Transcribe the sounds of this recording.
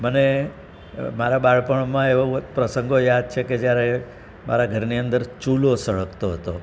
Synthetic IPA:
məne | maɾabaɭpəɳ̃mãeʋopɾəsə̃ŋɡojad̪̚t͡ʃʰeked͡ʒjaɾe | mʔa̰ɾaɡʱəɾniənd̪əɾt͡ʃulosəɭəkt̪oɦət̪o

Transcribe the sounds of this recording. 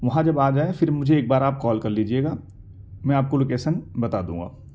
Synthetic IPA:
ʋɐɦãd͡ʒɐbaːd͡ʒaːefʰɪɾmʊd͡ʒʱeeːk̚baːɾaːp̚kɔːlkɐɾliːd͡ʒieːɡaː | mɛ̃aːp̚koloːkeːʃənbɐt̪aːd̪ũːŋɡa̰ː

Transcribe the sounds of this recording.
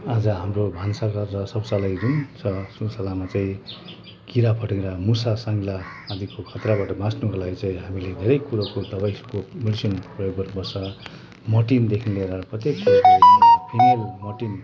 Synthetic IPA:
ad͡zʌɦamrobʱansakʌd͡zʌsʌbsalaid͡zunsʌsusʌlamat͡saĩ | kiɾapʰʌʈẽɾʌmusasaŋɡlaːd͡zikokʰʌt̪rabaʈʌbãsnukalaɡit͡sãĩɦamiled̪ʱeɾʌjkuɾokot̪ʌpaj̃skomiɽisʌnprʌjoɡbʌɾbʌsʌ | mʌʈind̪ekʰinleɾʌprʌt̪ekːiapʰinelmʌʈin

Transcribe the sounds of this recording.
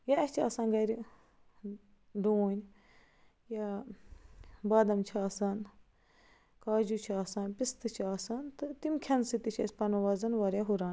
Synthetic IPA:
jaɛt͡ʃʰaːsaːnɡɐɾi | ɖuːnʲ | ja | baːd̪ɐmt͡ʃʰaːsaːn | kaːd͡ʒut͡ʃʰaːsãːnpist̪ɨt͡ʃʰaːsaːnt̪ɨt̪imkʲʰɐnsit̪it͡ʃʰɐ̰sʲpɐnuʋaːzɐnʋaːɾʲjaɦuɾaːn

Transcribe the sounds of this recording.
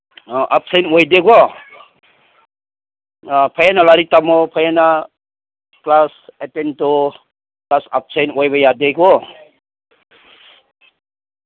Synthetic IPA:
ʔap̚sejnojdeɡɔ | pʰajanalaɾitamɔpʰajana | klasetento | klasap̚sejnojbajadeɡɔ

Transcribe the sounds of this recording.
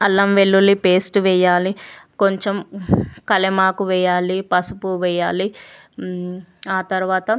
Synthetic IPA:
ɐlːɐmʋeɭːulipeːsʈʋɛːjaːliko̞ɲt͡ʃemkɐlemaːkuʋɛːjaːlipɐsupuʋɛːjaːli | aːt̪ɐɾuʋaːt̪ɐ

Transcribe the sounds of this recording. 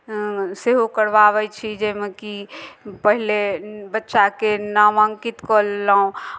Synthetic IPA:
seɦokəɾbaβɛt͡ʃʰid͡ʒemekipəɦilebətːʃakenəməŋkit̪kɔllaũ

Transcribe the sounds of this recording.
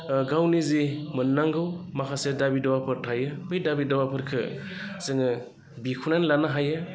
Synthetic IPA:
ɡawnizimɯnːaŋɡɯwmakʰasedabidɔwapʰɯɾtʰajɯbɯjdabidɔwapʰɯɾkʰɯ̰ | sɯŋɯ | bikʰunanlanaɦajɯ

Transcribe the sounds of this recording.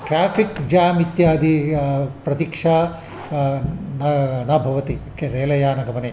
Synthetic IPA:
ʈɾaːpʰikd͡ʒaːmit̪jaːd̪ipɾɐt̪ikʂa | nɐnɐbʱɐʋɐt̪ikeɾeːlɐjaːnɐɡɐmɐneː

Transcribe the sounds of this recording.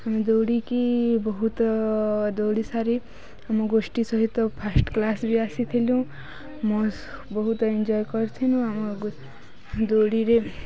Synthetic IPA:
hamid̪owɽikibɔɦut̪ | d̪owɽisaɾi | amɔɡosʈisʌɦit̪ːɔpʰasʈklasbiasit̪ʰeljũ | mɔ | bɔɦut̪ɔind͡ʒɔjkʌɾt̪ʰinũamɔ | d̪owɽiɾe

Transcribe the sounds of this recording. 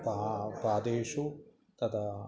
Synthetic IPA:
papaːd̪eːʃu | t̪ɐt̪ʰa

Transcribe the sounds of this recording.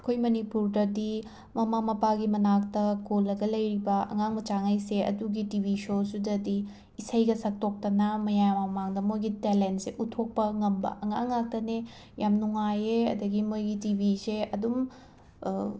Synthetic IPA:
ɐkʰojmɐnipuɾdɐdi | mɐmamɐpaɡimɐnak̚tɐkolːɐɡɐlɐjɾibɐɐ̰ŋaŋmɐt͡ʃaŋajseɐ̰duɡitibʱisosudɐdiː | sɐjɡɐsɐk̚tok̚tɐnɐmɐjajmamaŋdɐmojɡitelentseʔutʰok̚pɐŋɐmbɐ̰ʔɐŋaŋːak̚tɐne | jamnuŋajeɐ̰dɐɡimojɡitibʱiseɐdum

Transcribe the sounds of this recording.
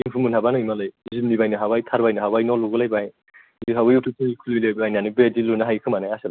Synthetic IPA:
impʰumunʰabanɯimalɯjzimnibajnɯɦabajtʰaɾbajnɯɦabajnɔluɡɯlajbaj | ziɦabɯjutʰɯkʰɯikʰulilejbajnanibedilunaɦajkʰɯmanajasala

